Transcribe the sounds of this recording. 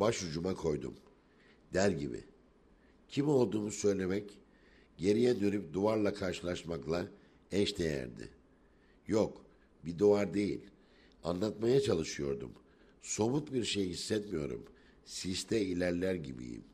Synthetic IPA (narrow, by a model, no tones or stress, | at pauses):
baʃhud͡ʒumakʰo̞jd̪ṵm | d̪æɾɟibḭ | cʰimo̞lˠd̪uːmusø̞jlʲe̞mɛc | ɟe̞ɾijɛd̪ø̞ɾyp̚d̪uaɾlˠakʰaɾʃɯlˠaɾʃmaklˠa | ɛʃd̪ejæ̰ɾd̪ɪ̰ | jok | bid̪uaɾd̪e̞jḭlʲ | anlˠat̪majat͡ʃʰalˠɯʃɯjo̞̰ɾd̪ṵm | so̞mut̪biɾʃe̞jhisːɛt̪mijo̞̰ɾṵm | sist̪ʰɛilʲæɾlʲæɾɟḭbḭjḭm